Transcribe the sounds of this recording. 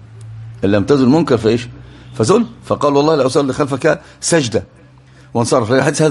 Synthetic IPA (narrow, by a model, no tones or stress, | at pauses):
ʔɪlːæmt̪æzʊlmʊmkɑɾˤfiʔeːʃfæzʊlfæqɑːlwɑlˤːɑːɪlʔawsˤɑlːixælfæka | sæd͡ʒd̪a | wɪnsˤɑrˤːɑflaɡħesːhaː